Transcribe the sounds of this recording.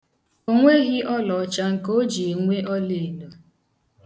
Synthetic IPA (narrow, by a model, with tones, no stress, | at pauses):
o˦ŋʷe˦ɣɪ˦ʔɔ˦lɔ˨˦t͡ʃa˦ŋ̩˨ko˦d͡ʒi˨e˨ŋʷe˦ʔɔ˦le˨no˨